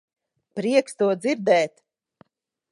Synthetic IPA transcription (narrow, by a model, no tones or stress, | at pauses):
pɾiɛkst̪uɔd̪ziɾd̪ɛːt̪